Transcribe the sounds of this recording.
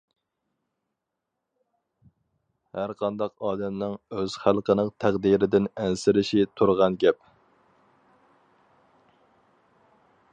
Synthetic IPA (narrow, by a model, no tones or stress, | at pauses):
hæɾqʰɑnd̪ɑqɑːd̪ɛmnɪŋøz̥χælˠqʰənɨŋt̪ʰæqd̪iɾɪd̪ɪnɛnsɪɾɪʃit̪ʰuɾʁɑnɡʲɛp̚